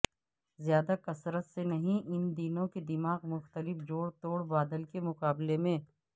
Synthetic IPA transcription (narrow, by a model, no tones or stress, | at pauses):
zjaːd̪akɐsɾət̪senɐɦĩʔɪnd̪iːnõked̪ɪmaːɣmʊxt̪əlɪfd͡ʒoːɽt̪oːɽbaːd̪əlkemʊqaːblemẽː